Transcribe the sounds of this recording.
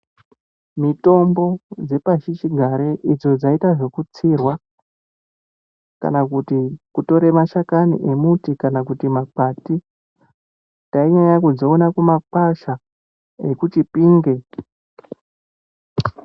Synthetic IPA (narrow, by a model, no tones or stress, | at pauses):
mito̞mbo̞d͡ze̞paʃit͡ʃiɡʱaɾeʔid͡zo̞d͡zaitaʐe̞kut͡sirwa | ka̰nakutikuto̞ɾe̞maʃakanḭʔe̞mutikanakutimapati | taiɲajakud͡zo̞ːnakumapaʃa | ekut͡ʃipiːŋɡe̞